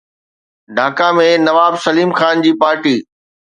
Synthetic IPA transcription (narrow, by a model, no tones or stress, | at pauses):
ɖʱaːkamẽnɐʋaːbsɐliːmxaːnd͡ʑiːpaːɾʈiː